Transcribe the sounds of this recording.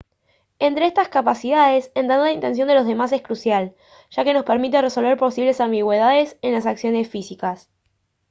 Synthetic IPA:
e̞nt̪ɾeest̪askapasiðaðe̞senanlaint̪e̞ns̬jond̪elo̞zðe̞mas̬e̞hkɾusjal | ʃake̞no̞speɾmit̪̬ere̞so̞lβeɾpo̞siβle̞sambiɣwe̞ðaðe̞se̞nlasaksjone̞sfisikas

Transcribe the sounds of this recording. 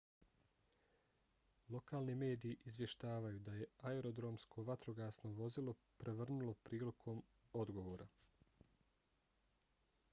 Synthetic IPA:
lˠo̞kaːlˠnime̞ːd̪iːʔizʋje̞ʃt̪aːʋajud̪aje̞aeɾo̞d̪ɾo̞mskʰo̞ʋat̪ɾo̞ɡaːsno̞ʋo̞zilˠo̞pɾʔeʋr̩nulˠo̞pɾiːlikʰo̞m | o̞d̪ɡo̞ʋoːɾa

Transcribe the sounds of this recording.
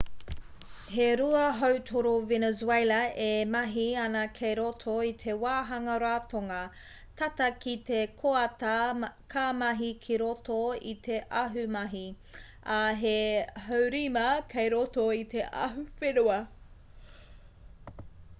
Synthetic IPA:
heɾuɐɦowtʰoɾovenezuejlɐʔemɐɦiɐnɐkʰejɾotʰoit̪ʰe̞waːɦɐŋɐɾaːtoŋɐ | tʰɐtɐkit̪ekʰoɐtɐkʰaːmɐɦikʰiɾotoḭt̪ʰeʔɐɦʉmɐɦi | ɐɦehowɾimɐkʰejɾotoit̪eʔɐ̰ɦufenuɐ

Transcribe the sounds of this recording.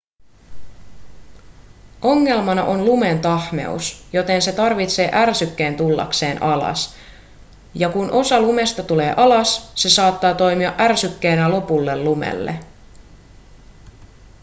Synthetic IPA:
ʔo̞ŋːe̞lmɑnɑʔo̞nlume̞nt̪ɑhme̞̰usjo̞t̪e̞nse̞t̪ɑrʋit̪se̞ːʔærsykːe̞ːnt̪ulːɑ̰kse̞ːnɑlɑ̰s | jɑkunʔo̞sɑlume̞st̪ɑt̪ule̞̰ːʔɑlɑsːe̞sɑːt̪ːɑːt̪o̞jmiɑʔærsykːeːnælo̞pulːe̞llumḛlːḛ

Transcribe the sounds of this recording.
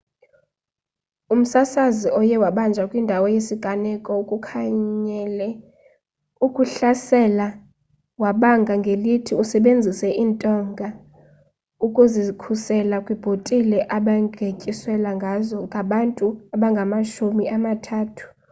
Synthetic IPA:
um̩sasaziʔɔjɛwaɓand͡ʒʱakʼwindʱawɔjesiɡ̥ʱanɛkʼɔukʼukʰaɲɲɛlɛ | ukʼuɬasɛla | waɓaŋɡʱaŋɡʱelitʰiusɛɓend͡zʱisɛʔiːntʼɔŋɡʱa | ukʼuzikʰusɛlakʼwib̥ʱotʼilɛʔaɓaŋɡʱecʼiswɛlaŋɡʱazɔŋɡʱaɓantʼuaɓaŋɡʱamaʃumiʔamatʰaːtʰu̥

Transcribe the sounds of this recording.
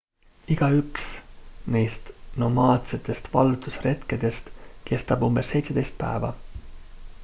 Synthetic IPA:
iɡ̥ɑyksnejst̪no̞mɑːt̪se̞t̪ːˑe̞st̪vɑ̰lt̪usre̞t̪ked̪̥e̞st̪kʰe̞st̪ɑbumb̥e̞sːe̞jt̪se̞d̪e̞jst̪̚pæ̰evɑ̰

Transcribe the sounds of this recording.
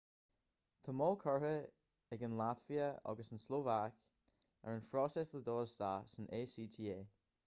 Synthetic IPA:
t̪ʰəmɔlkʰɔɹə | ɛɡənlat̪viəɔ̰ɡəsənsloːvak | ə̰ɹənfɹɔsɛsləd̪ɔːst̪asənʔeːsiːt̪ʰiːeː

